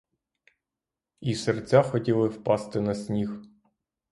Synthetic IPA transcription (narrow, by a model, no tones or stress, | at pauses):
isert͡sʲaxɔtʲilˠɪwpɑst̪ɪnɐsʲnʲix